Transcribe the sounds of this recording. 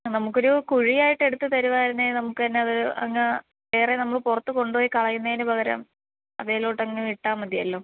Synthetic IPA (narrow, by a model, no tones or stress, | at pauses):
nɐmukːo̞ɾukuɻijaːjiʈːe̞ɽut̪ːɨt̪ɐɾuʋaːɾɐnːenɐmukːɨt̪ɐnːe̞ɐðɨɐ̰ŋːɐ | ʋeːrenɐmːɐɭpurɐt̪ːuko̞ɳɖpoːjikɐɭɐjːunːɐejnɨbʱɐɣɐɾɐ̰m | ɐ̰ðeːloːʈːɐŋːɐneiʈːaːmɐd̪jɐlːo̞ː